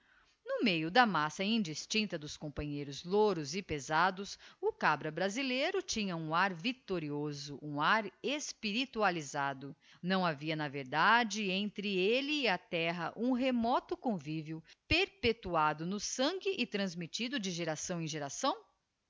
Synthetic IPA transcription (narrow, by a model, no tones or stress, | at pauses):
nʊmejʊd̪ɐmasɐĩd͡ʒist͡ʃĩnt̪ɐd̪ʊskõmpɐ̃ɲejɾʊzloɾʊzɪpezad̪ʊsʊkabɾɐbɾazilejɾʊt͡ʃĩɲɐũaɾvit̪oɾiozʊʔũaɾespiɾit̪ualizad̪ʊ | nɐ̃w̃aviɐnɐveɾd̪ad͡ʒɪẽnt̪ɾɪelɪːat̪ɛɦɐʔũɦemɔt̪ʊkõviviʊpeɾpet̪uad̪ʊnʊsɐ̃ŋɡʲɪʔɪt̪ɾɐ̃zmit͡ʃid̪ʊd͡ʒɪʒeɾasɐ̃w̃ẽj̃ʒeɾasɐ̃w̃